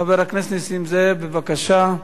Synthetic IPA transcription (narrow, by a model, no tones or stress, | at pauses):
abeɾaknesnisimzebevakaʃa